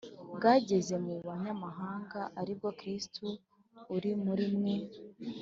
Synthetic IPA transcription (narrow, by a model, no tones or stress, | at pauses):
bɡaːɟe̞ze̞muβaɲamaɦaːŋɡaʔaɾib̚ɡo̞kɾistuː | ɾimuɾimŋe